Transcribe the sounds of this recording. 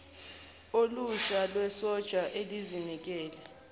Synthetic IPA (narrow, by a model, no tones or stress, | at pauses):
oluʃalwɛsɔd̥ʒ̥ʱaʔelizinik̬ʼɛːlɛ